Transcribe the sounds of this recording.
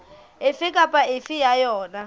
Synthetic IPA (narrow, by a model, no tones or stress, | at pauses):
ɪfɪkʼapʼaʔɪfɪjajɔːna